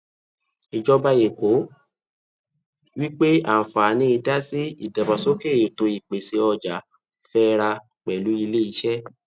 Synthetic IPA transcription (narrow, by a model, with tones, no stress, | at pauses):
i˨d͡ʒɔ˦ba˦je˨ko˨˦ | wi˦k͡pe˦a̰˨fa˨nĩ˧˦i˧da˦si˦i˦˨dɛ˨ba˨so˦ke˦˨e˨to˧i˨k͡pe˨si˧ɔ˧d͡ʒa˨˦ | fɛ˦ɾa˧ | k͡pɛ˨lu˨˦i˧le˦i˧ʃɛ˦